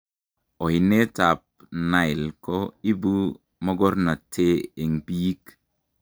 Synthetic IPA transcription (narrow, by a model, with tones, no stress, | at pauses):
o˨i˨ne˦ta˨p̚ | na˨ɪ˨lko˦i˦bu˦ | mɔ˦ɡɔ˦ɾna˨tʰe˦e˨ŋpi˦k